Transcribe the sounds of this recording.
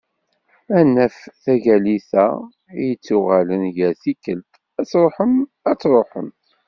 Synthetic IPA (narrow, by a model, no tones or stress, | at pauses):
ænːæfθæʝæliθæ | jət͡sːʊʁælənʝæɾθikːəlt̪ | æt͡sːɾˤoħəm | æt͡sːɾˤoħə̰mt̪